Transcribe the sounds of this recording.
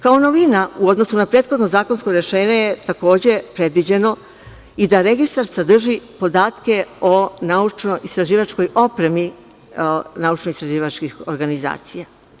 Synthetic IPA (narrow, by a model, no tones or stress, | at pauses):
kao̞no̞ʋinauo̞d̪nosunapɾe̞ːt̪xo̞d̪no̞zaːko̞nsko̞ɾe̞ʃe̞ːɲejet̪ako̞ːd͡ʑe̞pɾe̞d̪ʋid͡ʑe̞no̞ | id̪aɾe̞ɡist̪aɾsad̪r̩ʒipo̞d̪aːt̪ke̞o̞naut͡ʃno̞ʔist̪ɾaʒiːʋat͡ʃko̞jo̞pɾe̞mi | naut͡ʃnoist̪ɾaʒiːʋat͡ʃkixo̞ɾɡaniza̰ːt̪sija